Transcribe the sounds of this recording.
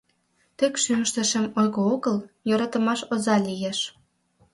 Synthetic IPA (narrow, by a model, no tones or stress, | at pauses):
t̪ekʃyməʃt̪ə̆ʃə̆mojɣooɣəljoɾɑt̪ə̆mɑʃozɑlʲijeʃ